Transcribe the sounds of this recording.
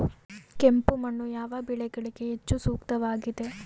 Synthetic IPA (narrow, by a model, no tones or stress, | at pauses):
kempumɐɳːujaːʋɐbiɭɛɡɐɭiɡeet͡ʃːusuːkt̪ɐʋaːɡid̪e̞